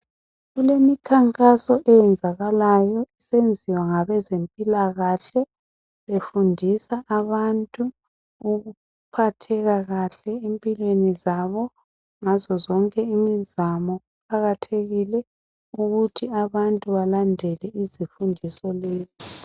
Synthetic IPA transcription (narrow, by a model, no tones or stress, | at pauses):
ɣulemikʰaŋkʼasɔʔɛjɛnd͡zʱaɣalajɔɛsend͡zʱiwaŋaβɛzempʼilaɣaɬɛ | βefundʱisaʔaβantʼuː | ɣuu | pʰatʰɛɣaɣaɬɛempʼilwenizaβɔ | ŋazɔzɔŋkʼɛimizamɔɣukʰaɣatʰeɣilɛ | uɣutʰiaβantʼuβalandʱɛlɛizifundʱisɔleːzi